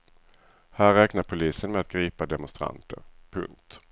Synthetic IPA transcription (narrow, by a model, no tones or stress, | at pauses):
hæːɾɛːknaɾpʰʊliːsənmɛat̪̚ɡɾiːpad̪ɛmʊnst̪ɾa̰nt̪ʰə̰ɾpʰɵ̰ŋk̚t̪